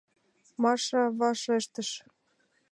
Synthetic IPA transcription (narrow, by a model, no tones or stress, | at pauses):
mɑʃɑβɑʃeʃt̪ə̆ʃ